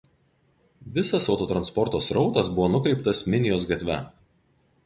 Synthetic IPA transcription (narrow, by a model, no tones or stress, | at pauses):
ʋʲɪsɐsɒʊt̪oːt̪ɾɐnspɔɾt̪oːsɾɒʊt̪ɐsbʊʋoːnʊkɾʲɛɪp̚t̪ɐsmʲɪnʲɪjoːsɡɐt̪ʲʋʲæ